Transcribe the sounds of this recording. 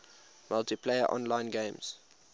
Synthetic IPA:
mʌltipʰleɪəʔɔ̰̃nlãɪ̃nɡẽɪ̃mz̥

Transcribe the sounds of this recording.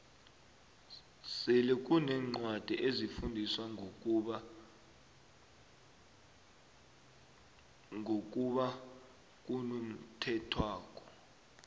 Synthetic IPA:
sɛlɛk̬ʼunɛːŋ͡ǃwad̥ʱɛʔezifundʱiswa | ŋʱok̬ʼuɓa | k̬ʼunum̩tʰɛtʰwaːk̬ʼɔ̥

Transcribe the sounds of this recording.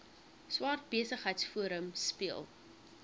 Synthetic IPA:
swɑːrt̚biəsəχɦəjtsfuəɾəmspiəlˠ

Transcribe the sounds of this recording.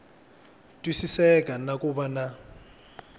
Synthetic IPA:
tʼwisisɛkʼanakʼubana

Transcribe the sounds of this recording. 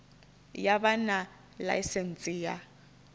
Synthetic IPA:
jabana | la̰jsɛn̩t͡sʼiːja

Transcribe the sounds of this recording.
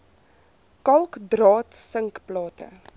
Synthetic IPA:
kɐlˠkdrɑːtsəŋkplɑːtə̰

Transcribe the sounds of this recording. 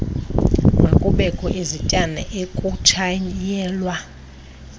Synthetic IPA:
ŋɡwekʼuɓɛkʼɔʔezitʼanɛ̰ʔekʼut͡ʃʰajɛːlwa

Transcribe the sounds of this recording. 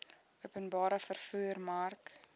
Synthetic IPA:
uəpənbɑːɾəfərfuːərmɐrk

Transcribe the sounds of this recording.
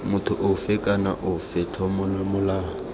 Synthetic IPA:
mʊtʰʊʔʊfɪkʼanaʔʊfɪtʰɔmʊmʊlaː

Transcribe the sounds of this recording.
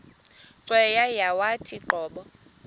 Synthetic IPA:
ǀwɛjajawatʰiǃʱɔːɓɔ

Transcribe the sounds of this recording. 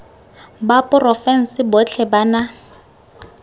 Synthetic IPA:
bapʼʊrɔfɛn̩sɪbɔt͡ɬʰɛbana

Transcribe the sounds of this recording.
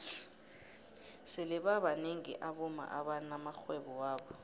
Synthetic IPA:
sɪlɪɓaɓaneŋḭʔaɓuma̰ʔaɓanamaxwɛɓɔwaːɓɔ

